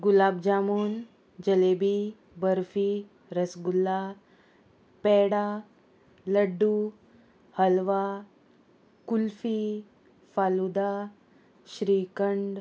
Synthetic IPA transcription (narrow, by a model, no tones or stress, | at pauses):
ɡulab̚d͡ʑamuːn | d͡ʑəlebi | bəɾfiː | ɾəsɡulːa | pɛɽa | ləɖːu | həlʋa | kulfi | falud̪a | ɕɾiːkəɳɖ